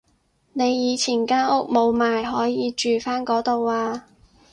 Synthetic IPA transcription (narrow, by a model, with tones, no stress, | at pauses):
ne˨˧jːiː˨˧t͡sʰiː˨˩nkaː˥nʊ˥k̚mo˨˧wmaː˨jɦɔː˨˥jiː˨˧t͡ʃyː˨faː˥nkɔː˨˥t̪o˨waː˧